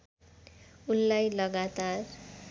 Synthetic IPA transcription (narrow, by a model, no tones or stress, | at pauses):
unlajlʌɡat̪ar